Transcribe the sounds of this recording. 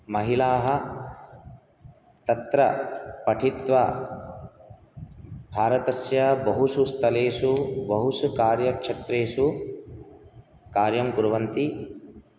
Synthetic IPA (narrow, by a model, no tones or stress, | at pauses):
mɐɦilaːɦɐ̆ | t̪ɐt̪ɾɐpɐʈʰit̪ʋɐ | bʱaːɾɐt̪ɐɾsjɐbɐɦusust̪ʰɐleːʃubɐɦusukaːɾjɐkʂɐt̪ɾeːʃu | kaːɾjɐmɡuɾʋɐnt̪i